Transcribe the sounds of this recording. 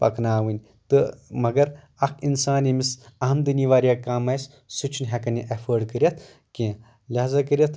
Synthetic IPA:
pɐ̰kʰnaːʋɨnʲ | t̪ɨmɐɡɐɾ | ɐkʰinsaːnimisɐɦɐmd̪ɨniʋaːɾjakaːmɐjs | sut͡ʃʰinɦɛkɐnʲiʔɐpʰəːɖkəɾʲjɐt̪ʰ | kẽː | lʲazɐkəɾʲjɐt̪ʰ

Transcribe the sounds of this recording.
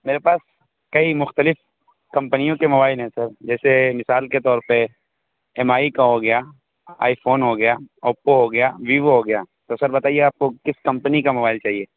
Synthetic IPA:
meːɾepaːs | kɐimʊxt̪əlɪf | kɐ̃mpənijõkemobaːɪlɦɛ̃sɐɾd͡ʒɛːsemɪsaːlket̪ɔːɾpɐ | ɛmaːikaɦoɡɐja | a̰ːifʰoːnɦoɡɐjaɔːpoɦoɡɐjaʋiːʋɦoɡɐjaːt̪osɐɾbɐt̪aːieaːp̚kokɪskɐ̃mpənikamɐbaːɪlt͡ʃaːɦieː

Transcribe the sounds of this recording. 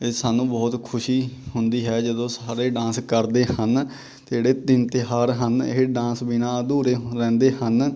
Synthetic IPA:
ɪsaːnũːbɔːt̪kʰʊʃiːhʊnd̪iːɦɛːd͡ʒəd̪õːsaːɾeːɖãːskəɾd̪eːən | t̪eeːɽeːt̪ɪnt̪ɪɦaːɾɦənɪ̰ɦɖãːsbɪnãːd̪uːɾeːɾɛ̃ːnd̪eːɦən

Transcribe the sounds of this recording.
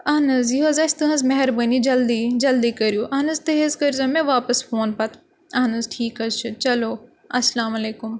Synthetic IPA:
ɐɦnɐziɦozɐst̪uɦɐ̃zmɐɦɛɾbənid͡ʒɐld̪id͡ʒɐld̪ikɐɾjuːʔɐɦnɐzt̪ɐɦezkɐɾzɐmẽʋaːpɐsfʰoːnpɐt̪ | ɐɦnɐzʈʰiːkɐzt͡ʃʰut͡ʃɐloː | ɐslaːmɐleːkʊm

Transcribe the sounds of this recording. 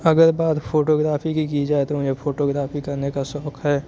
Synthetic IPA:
ɐɡəɾbaːt̪pʰoːʈoːɡɾaːpʰikikid͡ʒaːet̪oʊjefʰoːʈoːɡɾaːfikɐɾnekasɔːkʰɦɛː

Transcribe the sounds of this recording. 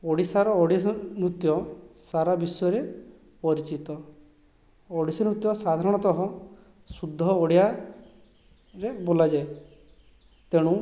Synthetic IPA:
oɽisaɾɔːɽinɾut̪jɔsaɾabisɔɔɾe | pɔɾit͡ʃit̪ɔ | ɽisɔnɾut̪jɔsad̪ʱaɾɔɽ̃ɔt̪ɔɦɔ | sud̪ʱːɔoɽija | ɾebolad͡ʒae | t̪eɽ̃ũ

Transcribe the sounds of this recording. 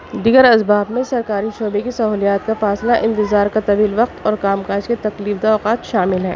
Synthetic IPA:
d̪iːɡəɾɐsbaːbmẽsɐɾkaːɾiʃoːbekesɐɦuːlijaːt̪kafaːslaʔɪ̃nt̪ɪzaːɾkat̪ɐʋiːlʋɐq̚t̪ʰɔːɾkaːmkaːd͡ʒket̪ɐkliːfd̪aɔːqaːt̪ʃaːmɪlɦɛ̰ː

